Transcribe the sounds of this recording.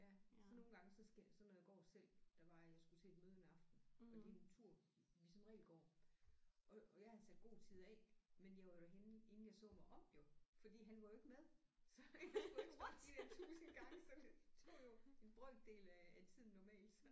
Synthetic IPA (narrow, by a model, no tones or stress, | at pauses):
jæsɒno̝ːn̩ɡ̥ɑ̈ŋəsɒ̽sɡ̥sɒ̽nːɒjɑ̈ɡ̥ɒ̰ːsel̰d̥ɑʋɑ̈jɑ̈ɪsɡ̥ut͡sʰeed̥møːð̞ˠnæɑ̈fd̥n̩ɒ̽d̥e̝ent͡sʰuɐ̰ | ʋisɒ̽mʁɛ̰ːlɡ̥ɒ̰ː | ʔɒ̽jɑ̈ɪhæð̩ˠsæd̥̚ɡ̥o̝̰ːt͡sʰið̞̰ˠɛmenjɑ̈ʋɑ̈jo̝̥æɦenəe̝nn̩jɑ̈ɪsɔ̰̽ːmɑɪʔɒ̽mjo̝fɒ̽d̥ḭːɦænʋɑ̈jo̝e̝ɡ̥meðˠsɒ̽ɡueɡid̥ent͡sʰṵːsn̩ɡ̥ɑ̈ŋsɒ̽d̥e̝t͡sʰo̰ːjo̝e̝nb̥ʁœd̥e̝̰ːlææt͡sʰið̞̰ˠn̩ːɒmɛ̰ːld̥